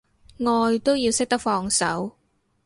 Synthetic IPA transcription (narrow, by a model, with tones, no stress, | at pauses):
ŋɔː˧jt̪o˥wjiː˧wsɪ˥k̚t̪ɐ˥k̚fɔː˧ŋsɐ̰˨˥w